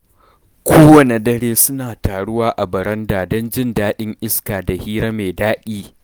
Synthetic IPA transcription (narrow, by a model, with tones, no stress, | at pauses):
kʷʰoː˦wɐ˨ne˨dɐ˦ɽeː˦sʊ˦naː˨taː˨ɽʊ˦waː˦ʔa˨bɐ˨ɾɐ˦ndaː˨dɔ˦nd͡ʒɪ˦ndaː˦ɗɪ˦ŋʔɪ˦skaː˨da˨hiː˦ɾa˦meː˨daː˦kʲiː˦